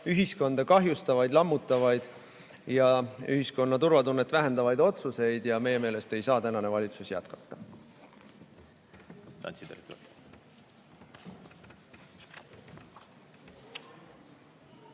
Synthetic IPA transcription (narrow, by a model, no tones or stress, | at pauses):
yɦisko̞nd̪̥ɑkɑɦjust̪ɑvɑjd̪lɑmːut̪ːˑɑvɑjd̪̥ | jɑyɦisko̞nːɑt̪uɾvɑt̪unːet̪ːˑvæɦend̪ɑvɑjd̪o̞t̪suse̞jd̪̥jɑme̞jːe̞me̞ːle̞st̪e̞jsɑːt̪ænɑne̞vɑlʲit̪susjæ̰t̪kɑ̥t̪ˑːɑ | t̪ɑ̰niek